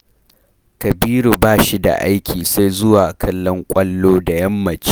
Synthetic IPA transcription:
kɐ˨biː˦ɾu˨baː˦ʃi˦da̰˨ʔa̰˦jkʲʰiː˨sa˦jzʊ˦waː˨kʰɐ˦lːɔ˦ŋkʷʼɐ˦lːoː˦da˨jɐ˦mːɐ˨t͡ʃː

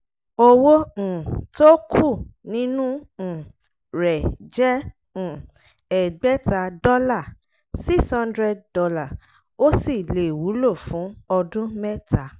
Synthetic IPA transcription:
o˧wõ˦˨to˦kʰu˦˨nĩ˦nũ˦˨ | ɾɛ˨d͡ʒɛ̃˦˨ | ɛ˨ɡ͡bɛ˦ta˨˧dɔ˦la˦˨ | si˦˨shã˦ndɾɛ˦d̚dɔ˧la˦˨ | o˦si˦˨le˨wu˨˦lo˦˨fũ˨˦ɔ˧dũ˦mɛ˦ta˨˦

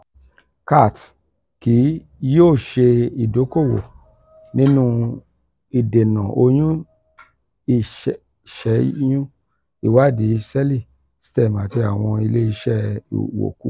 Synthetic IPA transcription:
ka˦˨t | ki˨˦ | joː˦˨ʃe˧i˨do˨˦ko˦˨wo̰˨ | nĩ˦nũ˦ | i˨de˨nã˨o˧j̃ũ˦ | i˦˨ʃ | ʃɛ˨˦jũ˦ | i˦˨wa˦˨di˨˦i˧sɛ˦li˦˨ | si̥˦tɛ˦˨mã˨ti˨˧˦a˨w̃ɔ̃˧i˧le˦i˧ʃɛ̰˦˨wo̰˨kṵ˦

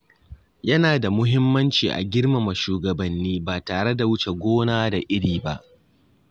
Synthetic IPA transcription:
jɐ˦naː˨da˨mʊ˦ɦɪ˦mːɐ˦nt͡ʃiː˨ʔa̰˨ɡʲɪ˦rma˨mɐ˨ʃuː˨ɡɐ˨bɐ˨nːiː˦baː˨taː˨ɽe˦da˨wʊ˦t͡ʃe˨ɡʷoː˦naː˦da˨ʔɪ˦ɽiː˨ba˦ʔ

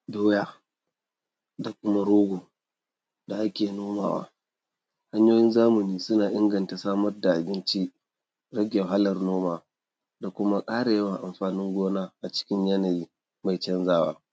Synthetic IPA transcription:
boː˦jaː˦ | da˨kʷʊ˦ma˦ɽoː˦ɡʷoː˨ | da˨ʔa˦kʲeː˨noː˦ma̰ː˨wa̰ː˦ | ha˦ɲjoː˦jɪ˦nzaː˦mʊ˨niː˦sʊ˦naː˨ʔɪ˦ŋɡɐ˨nta˨saː˦mɐ˦rda˨ʔa˨bɪ˦nt͡ʃi˦ | ɽɐ˦ɡʲɛ˨ɦa˦lɐ˨rnoː˦maː˨ | da˨kʷʊ˦ma˦kʼaː˦ɽa˨jɐ˦wa˨ʔa˨mɸaː˨nɪ˦ŋɡʷoː˦naː˦ʔa˨t͡ʃɪ̥˦kʲɪ˦ɲjɐ˦na˨jiː˦ | ma˨jt͡ʃɐ˦nzaː˦wa̰ː˦

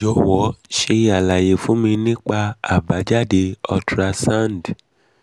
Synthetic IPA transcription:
d͡ʒɔ˨wɔ˨˦ʃe˧˦a˨la˨je˨fũ˨˦mĩ˧nĩ˦k͡pa˧a̰˦˨ba˨˦d͡ʒa˦˨de˧ɔ˧tɾa˧sã˦˨nd

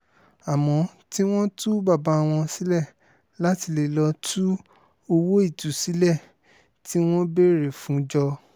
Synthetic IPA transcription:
a˨mɔ̃˨˦ti˦w̃ɔ̃˦tu˦ba˦˨ba˨˧a˧w̃ɔ̃˧si˨˦lɛ˦˨ | la˦ti˧le˦˨lɔ˧tʰu˦ | o˧wo˦i˦˨tu˨si˨˦lɛ˦˨ | ti˦w̃ɔ̃˦be˦ɾe˨fũ˨˦d͡ʒɔ˧

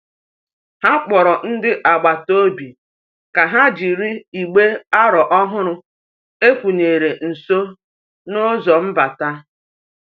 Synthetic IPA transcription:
ha˦k͡pɔ˨ɾɔ˨n̩˦dɪ˦ʔa˨ɡ͡ba˨to˦bi˨ | ka˨ɦa˦d͡ʒi˨ɾi˦i˨ɡ͡be˦a˦ɾɔ˨ʔɔ˦ɦʊ˦ɾʊ˦ | e˦kʷu˨ɲe˨ɾe˨n̩˨so˦ | nʊ˦zɔ˨m̩˦ba˨ta˦

